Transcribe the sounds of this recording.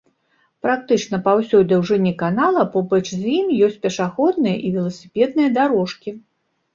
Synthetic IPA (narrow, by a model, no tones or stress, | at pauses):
pɾak̚t̪ɨt͡ʂnɐpawsʲɔjd̪ʲɐwʐɨnʲːikanalˠɐpɔbɐt͡ʂzʲimjɔsʲtt͡sʲpʲɛʂaxɔd̪̚nɨjɐʔivʲɛlˠɐsʲi̥pʲɛd̪̚nɨjɐd̪aɾɔʂkʲi